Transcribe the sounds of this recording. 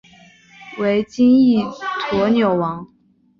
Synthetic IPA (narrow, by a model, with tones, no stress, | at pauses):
we˧˥ɪt͡ɕi˥ni˥˩t̪ʰwɔ˧˥njo˨˩ʊwɑ˧˥ŋ